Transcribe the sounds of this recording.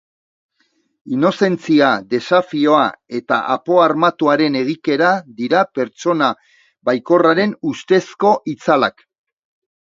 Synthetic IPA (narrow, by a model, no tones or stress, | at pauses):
ino̞se̞nt͡siaðe̞safio̞ae̞t̪a̰ʔapo̞aɾmat̪uaɾe̞ne̞ɣ̞ike̞ɾaðiɾape̞ɾt͡so̞na | βajko̞raɾe̞nust̪e̞sko̞ʔit͡salak